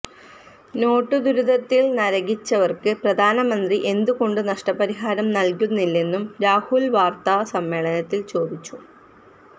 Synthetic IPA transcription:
no̞ːʈːɨd̪uɾud̪ɐt̪ːilnɐɾɐɣit͡ɕːɐʋɐrkɨprɐd̪ʱaːnɐmɐnd̪riʔe̞nd̪uko̞ɳɖɨnɐʂʈɐpɐɾiɦaːɾɐmnɐlkunːilːenːumɾaːhulʋaːrt̪ɐsɐmːe̞ːɭɐnɐt̪ːilt͡ɕo̞ːd̪it͡ɕːu̥

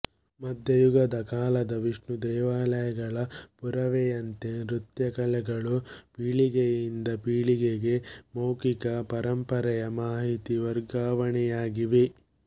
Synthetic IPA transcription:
mɐd̪ʱjɐjuɡɐd̪ɐkaːlɐd̪ɐʋiʂɳud̪ɛːʋaːlɐjɐɡɐɭɐpuɾɐʋejɐnt̪eɾut̪jɐkɐlɛɡɐɭupiːɭiɡejind̪ɐpiːɭiɡeɡe̞moːkikɐpɐɾɐmpɐɾɐjɐmaːɦit̪iʋɐɾɡaːʋɐɳɛjaːɡiʋe

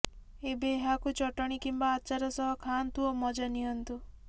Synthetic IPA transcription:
ebeɦakut͡ʃɔʈɔɽ̃ikimbaːt͡ʃaɾɔsɔɦɔkʰant̪uomɔd͡ʒaniɦɔnt̪u

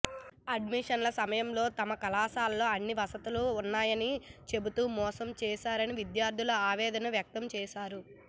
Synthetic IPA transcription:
ɐɖmiʂɐnlɐsɐmɐjɐmlo̞ːt̪ɐmɐkɐlaːsaːlːo̞ːɐnːiʋɐsɐt̪uluːnːaːjɐnit͡ʃe̞but̪uːmɔːsɐmt͡ʃɛːʃaːɾɐniʋid̪jaːɾd̪ʱilɐaːʋɛːd̪ɐnɐʋjɐk̚t̪ɐmt͡ʃɛːʃaːɾu

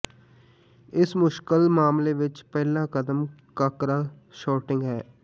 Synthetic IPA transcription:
ɪsmʊʃkəlmaːmleːʋɪt͡ʃpɛːlãːkəd̪əmkəkɾaː | ʃɔːʈɪ̃ŋɡɦɛː

